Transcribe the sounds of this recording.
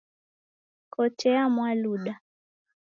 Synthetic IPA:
kʰɔtɛamwaluɗa

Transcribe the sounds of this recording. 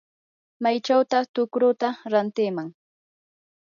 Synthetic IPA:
majt͡ʃawt̪at̪ʊkɾʊt̪aɾant̪ɪmaŋ

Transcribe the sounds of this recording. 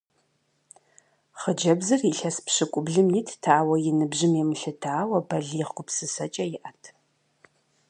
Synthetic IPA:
χəd͡ʒɐbzɨriɬɐspɕɨkʷʼʊbɮɨmjitʰtʰaːwɐjɪnɨbʑɪmemɨɬɨtʰaːwɐbɐɮiːχɡʷʊpsɨsɐt͡ʃʼɐjɪʔɐtʰ

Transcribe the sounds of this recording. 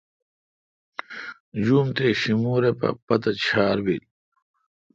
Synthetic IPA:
d͡ʑuːmt̪eɕimuːɾepɐ̰pɐt̪ɐt͡ɕʰaːɾwil

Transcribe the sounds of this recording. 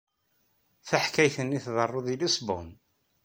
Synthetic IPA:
θæħkæjθənːiθðˤərˤːoðilisbʊ̰n

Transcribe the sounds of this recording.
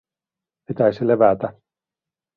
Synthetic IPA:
pit̪æisileʋæt̪æ

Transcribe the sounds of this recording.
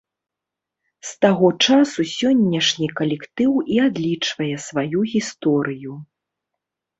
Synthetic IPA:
st̪aɣɔt͡ʂasusʲɔnʲːɐʂnʲikɐlʲɛkt̪ɨwiad̪lʲit͡ʂvɐjɛsvajuɣʲist̪ɔɾɨju

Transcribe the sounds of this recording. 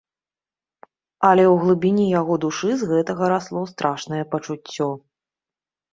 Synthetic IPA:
ɐlʲɛwɣlˠɨbʲinʲijaɣɔd̪uʂɨzɣɛt̪ɐɣɐɾaslˠɔst̪ɾaʂnɐjɛpɐt͡ʂut͡sʲːɔ

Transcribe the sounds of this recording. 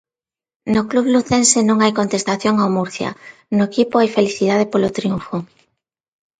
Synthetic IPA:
nokluβluθensenõŋajkont̪est̪aθjoŋawmuɾθja̰noekipoajfeliθið̞að̞epolot̪ɾiuɱfoŋ

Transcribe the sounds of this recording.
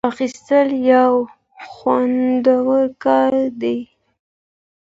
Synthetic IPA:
axist̪əljaw | xwand̪awəɾkɑɾd̪ej

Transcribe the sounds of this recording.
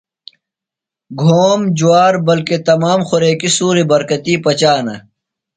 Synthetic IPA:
ɡʱoːmd͡ʑuwaːɾbɐlket̪ɐmaːmxoɾeːkisuːɾibɐɾkɐt̪iːpɐt͡ɕaːnɐ̰

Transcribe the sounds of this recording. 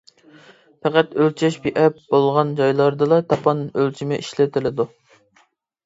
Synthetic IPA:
pʰɛqæt̪ølt͡ʃʰɛʃbiʔɛpb̥olˠʁɑnd͡ʒɑjlˠɑɾd̪ɨlˠɑt̪ʰɑpʰɑnølt͡ʃʰimɪʔiʃlɪt̪ʰɪlɪd̪u

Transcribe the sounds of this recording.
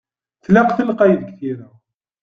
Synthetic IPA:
θlæqθəlqæjðəɡθiɾæ

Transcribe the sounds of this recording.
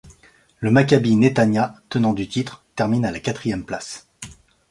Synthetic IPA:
ləmakʲabinet̪anjat̪ənɑ̃d̪yt̪it̪χt̪ɛʁminalakʲat̪χijɛmplas

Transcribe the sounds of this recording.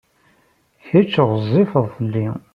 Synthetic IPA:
çæt͡ʃːəʁzˤːifəðˤθəlːi

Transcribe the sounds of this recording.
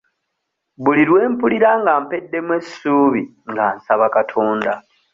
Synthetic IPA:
βuliɾwe̞ːmpuliɾaŋɡaːmpe̞dːe̞mwesi̥suːβi | ŋɡaːnsaβakatʰo̞ːnda̰

